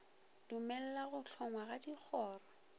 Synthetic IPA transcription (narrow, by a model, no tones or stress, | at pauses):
d̥ʊmɛl̩laɣʊɬʰɔŋwaɣadik͡xʰɔːrɔ